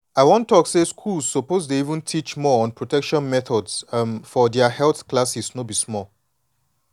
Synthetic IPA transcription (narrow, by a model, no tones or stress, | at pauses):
aɪwɔ̃ntɔkseskʰulz̥ːopozteivə̃ntʰit͡ʃmɔɔ̃npʰɹotɛkʃɔ̃nmɛθɔdsfɔdɛəhɛlθklasisnobismɔl